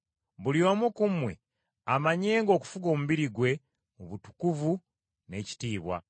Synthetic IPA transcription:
βuliomukumwe̞̰ | amaɲeːŋɡo̞ːku̥fuɡo̞ːmuβiɾiɡwe̞ | oβutu̥kuvu | ne̞ci̥tiːβwa̰

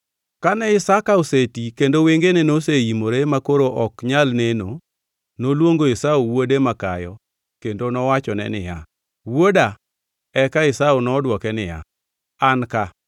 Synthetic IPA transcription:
kanɛɪsakaosetikendoweŋɡenenoseimoɾemakoɾoʔɔkɲalneno | nolwoŋɡoɪsaowodemakajɔ | kendonɔwat͡ʃɔnɛ̰nɪ̰ja̰ | woda | ɛkaɪsaonɔdwɔkɛnɪja̰ | anka

